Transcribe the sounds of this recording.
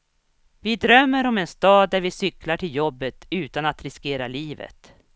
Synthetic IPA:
vɪd̪ɾœmːəɾɔmɛnst̪ɑːd̪ːæɾvɪsʏklaʈʰɪljɔbːət̪ʉ̟ːt̪anat̪ɾɪskeːɾa̰liːvə̰t̪

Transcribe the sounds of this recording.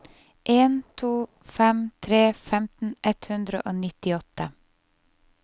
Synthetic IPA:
ʔeːnt̪ʰuː | fɛmt̪ʰɾeːfɛmt̪n̩ʔɛt̪hʉnd̪ɾə̰ʔoːnɪt̪ɪɔt̪ə

